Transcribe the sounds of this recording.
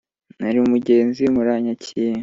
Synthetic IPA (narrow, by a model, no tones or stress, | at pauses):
naɾiumuɟe̞ːnzimuɾaːɲacʰim